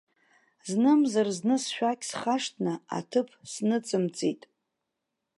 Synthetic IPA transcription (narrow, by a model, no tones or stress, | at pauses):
znɨmzarznɨsʃᶣakʲʰʼsχaʂtʰnɨa̰tʰɨpʰsnɨt͡sʼɨmt͡sʼitʼ